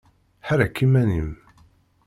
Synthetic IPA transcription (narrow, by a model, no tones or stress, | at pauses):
ħaɾækʰːimænḭm